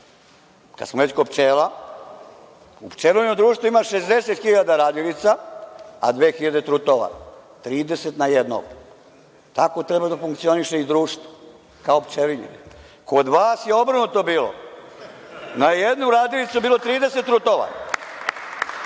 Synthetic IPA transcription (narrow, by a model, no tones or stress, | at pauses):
ka̰d̪smoʋet͡ɕkopt͡ʃeːla | upt͡ʃeliɲod̪ɾuːʃt̪ʋoimaʃe̞zd̪e̞set̪xiʎad̪aɾaːd̪jilit̪saa̰d̪ʋe̞ːxiʎad̪e̞t̪ɾut̪oʋa̰t̪ɾiːd̪eset̪najed̪no̰ɡ | t̪ako̞t̪ɾebad̪afuŋkt̪sio̞niʃeid̪ɾuːʃt̪vo̥ | kaopt͡ʃeliɲḛn | ko̞d̪ʋaːsjeo̞br̩nut̪obiːlo̰ | najed̪nuɾaːd̪jilit̪suebiːlo̞t̪ɾiːd̪e̞set̪ːɾut̪oʋa̰